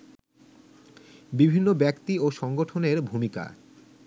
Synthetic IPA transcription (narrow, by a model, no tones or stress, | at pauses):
bibʱinːobɛkt̪ioʃɔŋɡoʈʰoneɾbʱumika̰